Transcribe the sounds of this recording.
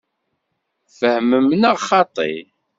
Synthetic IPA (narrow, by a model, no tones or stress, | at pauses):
fəhməmnəʁχɑt̪ˤḭ